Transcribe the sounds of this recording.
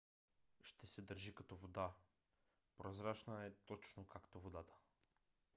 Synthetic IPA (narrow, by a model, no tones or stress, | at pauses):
ʃt̪ɛsɛd̪əɾʒikɐt̪ɔvod̪a | pɾozɾat͡ʃnəɛt̪ɔt͡ʃnokakt̪ovod̪at̪ə̥